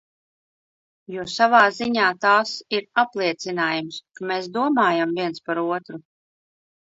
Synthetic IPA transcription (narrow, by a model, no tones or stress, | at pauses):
juːsavaːziɲaːt̪aːsiɾaplˠiɛt̪sinaːjumskameːsd̪uɔmaːjamviɛnspaɾuɔt̪ɾu